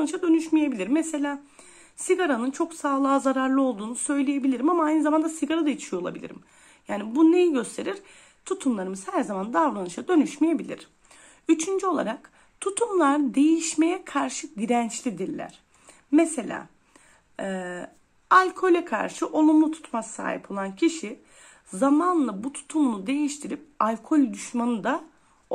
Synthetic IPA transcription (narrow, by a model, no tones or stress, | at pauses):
nɯʃad̪ø̞nyʃmije̞bilʲiɾmese̞lʲaː | siɡaɾanɯnt͡ʃʰo̞ksaːlˠaːzaɾaɾlˠɯo̞lˠd̪uːnusø̞jlʲeje̞bilʲiɾimamaajnɯzamand̪asiɡaɾad̪at͡ʃʰʃijolˠa̰bilʲḭɾḭm | jaːnibune̞jiɟø̞st̪ʰe̞ɾiɾ̥ | t̪ʰut̪ʰumlˠaɾɯmɯz̥hæɾzamand̪avɾanɯʃad̪ø̞nyʃmije̞bilʲḭɾ̥ | yt͡ʃʰynd͡ʒyo̞lˠa̰ɾak | t̪ʰut̪ʰumlˠaɾd̪e̞jiʃme̞jɛkʰaɾʃɯɟiɾænt͡ʃlʲid̪iɾlʲæ̰ɾ̥ | mese̞lʲa̰ː | ɛ | alʲkʰo̞lʲɛkʰa̰ɾʃɯʔo̞lˠumlˠut̪ʰu̥t̪masa̰ːhḭpʰo̞lˠancʰiʃi | zamanlˠabut̪ʰu̥t̪ʰumlˠud̪e̞jiʃt̪ʰiɾip̚alʲkʰo̞lʲd̪yʃmanɯd̪a